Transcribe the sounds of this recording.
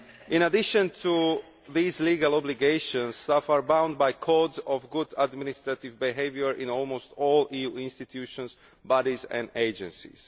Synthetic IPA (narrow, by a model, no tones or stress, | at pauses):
ʔĩnadɪʃə̃nt̪ʰu | ðiːzliːɡalˠɔbliɡeɪʃə̃nsːt̪afaɹbãʊ̃nd̚bajkʰɔdzɔvɡudad̪mɪnist̪ɹat̪ɪvbiɦeɪvjəɹʔĩnɔlˠmost̪ɔːlijuɪ̃nst̪it̪ʰjuʃɔ̃ns | badizɛ̰̃ndeɪd͡ʒɛ̃nsḭs